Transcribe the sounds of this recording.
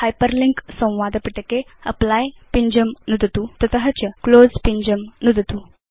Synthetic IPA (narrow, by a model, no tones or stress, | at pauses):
hajpəɾliŋksə̃w̃ʋad̪piʈəkeə̰plajpiɲd͡ʑəmnud̪ʱət̪ut̪ət̪əɦat͡ɕəklod͡zpiɲd͡ʑəmnud̪ʱət̪u